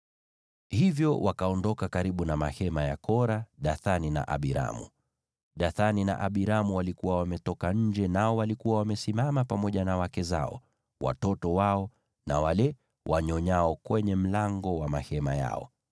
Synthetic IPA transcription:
hivjɔwʔakaɔndɔkakaɾiɓunamahɛmajakɔɾaɗaθanina̰ʔa̰ɓiɾa̰mṵ | ɗaθanina̰ʔaɓiɾamuwalikuwawamɛtɔkaɲ̩d͡ʒɛnaɔwalikuwawamɛsimamapamɔʄanawakɛza̰ɔ̰ | wʔa̰tɔtɔwaɔ | na̰walɛ | wʔaɲɔɲaɔkwɛɲɛm̩laŋɡɔwamahɛmaja̰ɔ̰

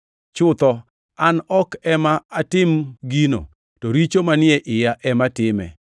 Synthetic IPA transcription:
t͡ʃʊt̪ɔ | anɔkɛmaatɪmɡino̰ | toɾit͡ʃomanɪɛʔɪjaʔɛmatɪmɛ̰

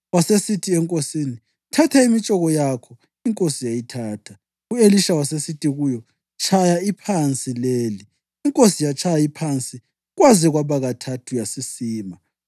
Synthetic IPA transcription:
wasesitʰiɛŋkʼosini | tʰatʰaimit͡ʃʼɔɣɔjakʰɔ | iŋkʼosijajitʰaːtʰa | ueliʃawasesitʰʼiɣujɔ | t͡ʃʰajaipʰant͡sʼileːliː | ŋkʼosijat͡ʃʰajaipʰant͡sʼi | ɣwaziɣwaβaɣatʰatʰujasisiːma

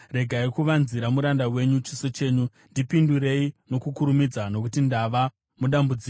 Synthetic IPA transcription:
re̞ɡʱaikuʋanziɾamuɾandawe̞ɲut͡ʃi̥sot͡ʃe̞ːɲu | ndipinduɾe̞ino̞kukuɾumid͡zano̞kutindaʋa | muɗambud͡ziːk

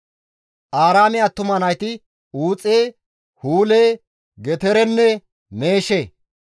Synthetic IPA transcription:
ʔaːɾaːmɪat̪ːʊmɐnɐjt̪ɪ | uːt͡sʼeː | huːleː | ɡɛt̪ɛɾɛnːɛ | meːʃe

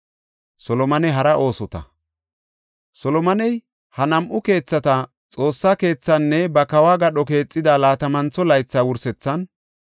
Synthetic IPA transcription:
sɔlɔmɐnɛɦɐɾɐʔo̞ːsɔt̪ɐ̰ | sɔlɔmɐnɛj | hɐnɐmʔʊke̞ːt͡sːɐt̪ɐ | t͡sʼo̞ːsːake̞ːt͡sːɐnːɛbɐkɐwaːɡɐɗɔke̞ːt͡sʼːɪd̪alaːt̪ɐmɐnt͡sːɔlɐjt͡sːaːwʊɾsɛt͡sːɐn

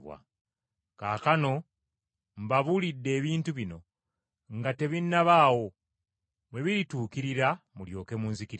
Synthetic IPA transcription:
βwa̰ | kaːkano̞ | m̩baβulidːe̞ːβiːntuβino̞ | ŋɡate̞βinːaβaːwo̞ | βwe̞βiɾituːkiɾiɾamuljo̞ːke̞muːnzikiɾ

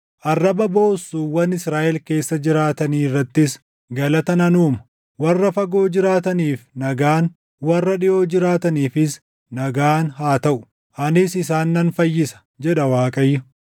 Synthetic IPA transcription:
ʔɐrːɐbɐbo̞ːsːuːwɐnɪsɾaːʔɛlke̞ːsːɐd͡ʒɪɾaːt̪ɐniːrːɐt̪ːɪs | ɡɐlɐt̪ɐnɐnuːmɐ | wɐrːɐfɐɡo̞ːd͡ʒɪɾaːt̪ɐniːfnɐɡaːn | wɐrːɐᶑɪʔo̞ːd͡ʒɪɾaːt̪ɐniːfɪs | nɐɡaːnɦaːt̪ɐʔʊ̥ | ʔɐnɪsɪsaːnːɐnfɐjːɪsɐ̥ | d͡ʒɛᶑɐwaːkʼɐjːʊ

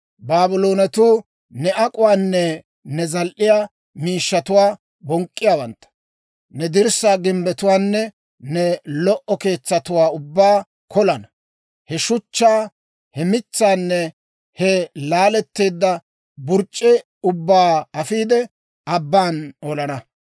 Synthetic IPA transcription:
baːbɪloːnɛt̪uː | nɛʔɐkʼʊwaːnːɛ | nɛzɐlʔɪjaː | miːʃːɐt̪ʊwaː | bɔŋkʼːɪjaːwɐnt̪ːɐ̥ | nɛd̪ɪɾsaːɡɪmbɛt̪ʊwaːnːɛ | nɛlɔʔɔke̞ːt͡sːɐt̪ʊwaːʊbːaː | kʰɔlɐnɐ | hɛʃʊt͡ʃːaː | hɛmɪt͡sːaːnːɛ | hɛlaːlɛt̪ːeːd̪ːɐ | bʊɾt͡ʃʼːɪ | ʊbːaːɐfiːd̪ɛ | ɐbːaːnɔlɐnɐ

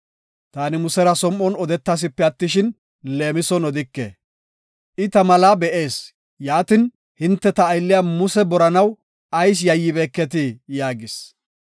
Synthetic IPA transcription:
t̪aːnɪmʊsɛɾɐsɔmːɔnɔd̪ɛt̪ːas̬ɪpːɛɐt̪ːɪʃɪn | le̞ːmɪsɔnɔd̪ɪkːḛː | ʔɪt̪ɐmɐlaːbɛʔe̞ːs | jaːt̪ɪn | hɪnt̪ːɛt̪ɐːjlːɪjaːmʊsɛbɔɾɐnɐw | ʔɐjs̬jɐjːɪbeːkːɛt̪̬ɪjaːɡɪs

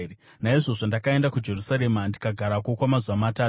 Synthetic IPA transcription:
naiʐoʐondakae̞ndakud͡ʒe̞rusaɾemandikaɡʱaɾakokwamazuwamataːu

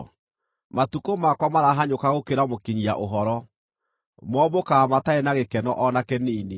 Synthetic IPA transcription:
matukomakwamaɾaɦaɲokaɣokeɾamokiɲia̰ʔoɦɔɾɔ | mɔbokamataenaɣekɛnɔʔɔnakɛniːne

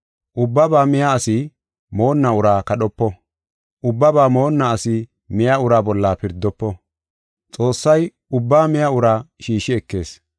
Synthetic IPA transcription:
ʔʊbːɐbaːmɪjaːsɪ | mo̞ːnːaʊɾaːkɐɗɔpːɔ | ʔʊbːɐbaːmo̞ːnːaːsɪ | mɪjaʊɾaːbɔlːaːpɪɾd̪ːɔpːɔ | t͡sʼo̞ːsːɐj | ʊbːaːmɪjaʊɾaːʃiːʃɪɛkːe̞̰ːs

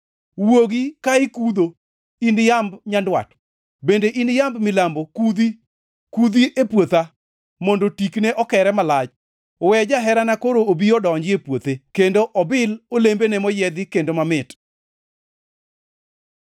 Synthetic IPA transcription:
woɡikaɪkud̪o | injambɲandwa̰t | bendeʔinjambmɪlambokud̪i | kud̪iʔepwot̪a | mondotikneʔɔkɛɾɛmalad͡ʒ | wɛd͡ʒaɦɛɾanakoɾoobiɔdɔɲd͡ʒɪepwot̪ekendoʔɔbɪlolembenɛmɔjɛd̪ɪkendomamɪt

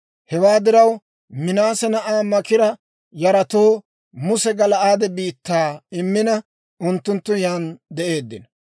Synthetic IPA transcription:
hɛwaːd̪ɪɾɐw | mɪnaːsɛnɐʔaːmɐkɪɾɐ | jɐɾɐt̪oː | mʊsɛɡɐlɐʔaːd̪ɛbiːt̪ːaːɪmːɪnɐ | ʔʊnt̪ːʊnt̪ːʊjaːnd̪ɛʔe̞ːd̪ːɪnɐ

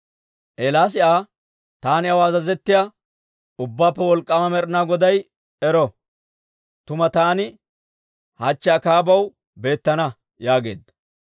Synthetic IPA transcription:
ʔeːlaːs̬ɪʔaː | t̪aːnɪɐwaːzɐzɛt̪ːɪja | ʊbːaːpːɛwɔlkʼːɐmɐmɛɾɪnaːɡɔd̪ɐj | ɛɾɔ | t̪ʊmɐt̪aːnɪ | hat͡ʃːɪaːkaːbɐw | be̞ːt̪ːɐnɐ | jaːɡe̞̰ːd̪ːɐ

